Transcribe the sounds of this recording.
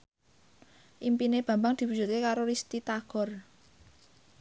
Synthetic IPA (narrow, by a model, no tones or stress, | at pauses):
ʔimpineb̥ä̤mbaŋd̪̥i̤pu̥d͡ʒ̥ṳt̪̚kekaɾoɾist̪it̪aɡ̥ɔ̤r